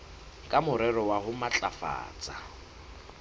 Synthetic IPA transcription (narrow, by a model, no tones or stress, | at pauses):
kʼamʊɾɛɾɔwaɦʊmat͡ɬʼafa̰ːt͡sʼa